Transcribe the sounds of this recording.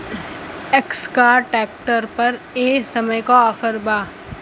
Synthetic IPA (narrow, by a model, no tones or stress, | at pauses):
ekskaːʈɛːk̚ʈəɾpɐɾeːsɐməjkaɔːfəɾbaː